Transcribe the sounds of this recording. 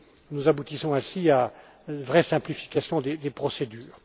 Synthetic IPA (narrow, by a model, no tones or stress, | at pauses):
nuzabut̪isɔ̃ɛ̃sia | nvʁɛsɛ̃plifi̥kʲasjɔ̃d̪ed̪epχɔsed̪yːʁ